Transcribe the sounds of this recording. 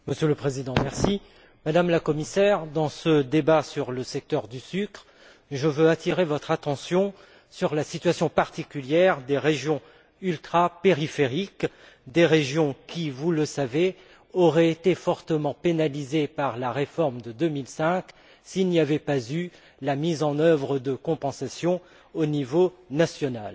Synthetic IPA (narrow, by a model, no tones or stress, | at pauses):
məsjøləpχezid̪ɑ̃mɛʁsi | mad̪amlakɔmisɛʁd̪ɑ̃səd̪ebasyʁləsɛk̚t̪œʁd̪ysykχ | ʒəvøat̪ʰiʁevɔt̪χat̪ɑ̃sjɔ̃ | syʁlasit̪ɥasjɔ̃paʁt̪ikʲyljɛʁd̪eʁeʒjɔ̃ | ylt̪χapeʁifeʁik | d̪eʁeʒjɔ̃kʲivuləsave | ɔʁɛet̪efɔʁt̪əmɑ̃penalizepaʁlaʁefɔʁmd̪əd̪əmilsɛ̃k | silniavɛpazy | lamizɑ̃nœvʁəd̪əkɔ̃pɑ̃sasjɔ̃ | onivonasjɔnal